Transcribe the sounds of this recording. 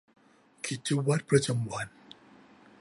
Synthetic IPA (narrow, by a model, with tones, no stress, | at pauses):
kʰi˨˩t̚t͡ɕʰu˦˥wa˦˥t̪̚pʰɾa˦t͡ɕa˧mwa˧n